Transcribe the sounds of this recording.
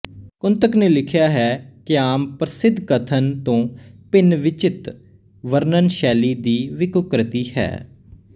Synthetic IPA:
kʊnt̪əkneːlɪkʰjaːɦɛːkɪaːmpɾəsɪd̪ʱkət̪ʰənt̪õːpɪnʋɪt͡ʃɪt̪ | ʋəɾnənʃɛːliːd̪iːʋɪkʊkɾət̪iːhɛ̰ː

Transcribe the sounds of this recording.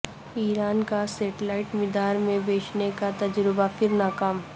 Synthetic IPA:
iːɾaːnkaseːʈlaːɪʈmɪd̪aːɾmẽbeːt͡ʃnekat̪ɐd͡ʒɾɪbafʰɪɾnaːkaːm

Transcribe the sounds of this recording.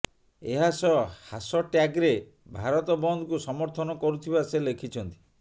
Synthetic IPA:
eɦasɔhasɔʈjaɡɾe | bʱaɾɔt̪ɔbɔnd̪ʱɔkusɔmɔɾt̪ʰɔnɔkɔɾut̪ʰibaselekʰit͡ʃʰɔnt̪i̥

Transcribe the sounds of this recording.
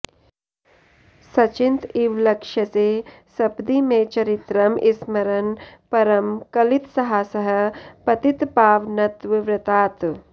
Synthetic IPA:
sɐt͡ʃint̪iʋlɐkʂjɐt͡seː | sɐbd̪imeːt͡ʃɐɾit̪ɾɐmʔismɐɾɐnpɐɾɐmkɐlit̪sɐɦaːsɐɦɐ̆pɐt̪it̪paːʋnɐt̪ʋiʋɾɐt̪aːt̪

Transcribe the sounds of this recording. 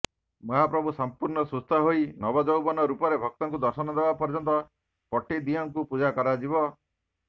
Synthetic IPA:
mɔɦapɾɔbʱusɔmpuɾɳnɔsust̪ʰaɦoinɔbɔd͡ʒɔwbɔnɔɾupɔɾebʱɔk̚t̪ɔŋkud̪ɔɾsɔnɔd̪ebapɔɾd͡ʒɔnt̪ɔ | pɔʈid̪iɔŋkupud͡ʒakɔɾad͡ʒibɔ

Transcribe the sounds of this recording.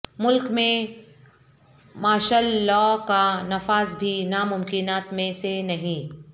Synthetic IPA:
mʊlkmẽ | maːʃaːllːɔːkanɐfaːzbʱinamʊmkɪnaːt̪mẽsenɐɦĩ

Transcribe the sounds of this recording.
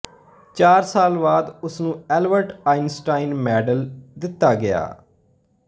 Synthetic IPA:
t͡ʃaːɾsaːlbaːd̪ʊsnũːɛːlʋəɾʈaːinsʈaːinmɛːɖəld̪ɪt̪ːaːɡɪja̰ː

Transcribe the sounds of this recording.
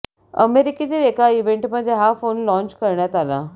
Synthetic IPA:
ə̰meɾikit͡ɕelekaiʋeɳʈməd̪ʱːjeɦafonlɔ̃ɲt͡ɕkəɾɳjat̪ala̰

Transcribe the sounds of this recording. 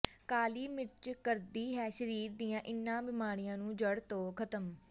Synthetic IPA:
kaːliːmɪt͡ʃkəɾd̪iːɦɛːʃəɾiːɾd̪ijãːʔɪnːãːbɪmaːɾɪjãːnũːd͡ʒəɽt̪oːkʰət̪əm

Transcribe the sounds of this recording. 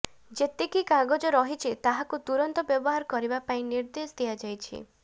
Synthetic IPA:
d͡ʒet̪ekikaɡod͡ʒɔɾɔɦit͡ʃʰit̪aɦakut̪uɾɔnt̪ɔbjɔbɔɦaɾɔkɔɾibapaĩniɾd̪esd̪ijad͡ʒajt͡ʃʰḭ

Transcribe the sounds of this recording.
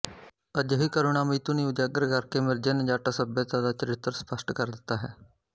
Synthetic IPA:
əd͡ʒɦiːkəɾoːnaːmiːt̪uːniːʊd͡ʒaːɡəɾkəɾkeːmɪɾd͡ʒenəd͡ʒaːʈaːsəbjət̪ãːd̪aːt͡ʃəɾɪt̪ːəɾspəsʈkəɾd̪ɪt̪ːaːɦɛ̰ː

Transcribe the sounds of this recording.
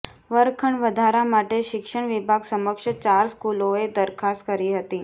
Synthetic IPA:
ʋəɾkʰəɳʋəd̪ʱaɾamaʈeɕikʂəɳ̃ʋibʱaɡsəməkʂət͡ɕaɾskuloed̪əɾkʰaskəɾiːɦət̪iː

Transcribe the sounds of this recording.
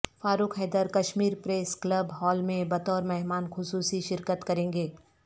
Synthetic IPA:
faːɾuːkʰɦɛːd̪əɾkɐʃmiːɾpɾeːsklɐbɦɔːlmẽbɐt̪ɔːɾmɛɦmaːnxʊsuːsiʃɪɾkət̪kɐɾẽːŋɡeː

